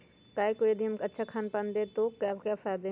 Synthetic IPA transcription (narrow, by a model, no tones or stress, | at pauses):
kaːjkojəd̪iɦɐmkɐtːʃʰakʰaːnpand̪et̪okːkafaːd̪e